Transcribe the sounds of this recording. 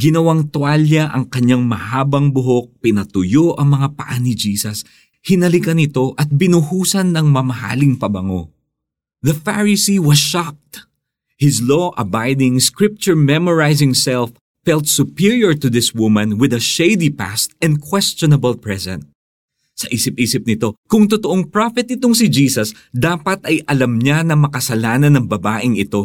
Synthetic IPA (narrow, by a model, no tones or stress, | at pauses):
ɡɪnɐwaŋt̪waljɐʔɐŋkɐɲaŋmɐhaːbɐŋbʊɦok̚pɪnɐt̪ʊjoʔɐŋmɐŋapɐʔanɪd͡ʒiːsɐs | hɪnɐlɪkɐnɪt̪o̞ʔɐt̪̚bɪnʊhuːsɐnːɐŋmɐmɐha̰ːlɪŋpɐbɐŋo̰ | ðɐfaɹɪsiwɐsʃak̚t̪ | hɪzloʔɐbajd̪ɪŋskɹɪp̚t͡ʃʊɹmɛmɔɹajzɪ̃ŋsɛlfːɛlt̪̚sʊpiɹjɔɹt̪ʊðɪswʊmɐ̃nwɪd̪ɐʃejd̪ipa̰st̪ɛ̃nd̪kwɛst͡ʃɔnɐbɐlpɹɛsɛ̰̃nt̪̚ | sɐʔiːsɪpʔiːsɪp̚nɪt̪o̞kʊŋt̪ot̪oʔoŋpɹafɛt̪̚ɪt̪oŋsɪd͡ʒiːsɐs | d̪aːpɐt̪ʔɐjʔɐlɐmɲanɐmɐkɐsɐlaːnɐnːɐŋbɐbaːʔɪŋɪt̪o̞